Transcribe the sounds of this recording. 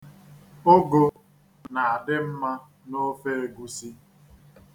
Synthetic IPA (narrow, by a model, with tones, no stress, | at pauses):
o˦ɡo˦ | na˨a˨dɪ˦m̩˦ma˦ | no˦fe˦e˨ɡu˨si˦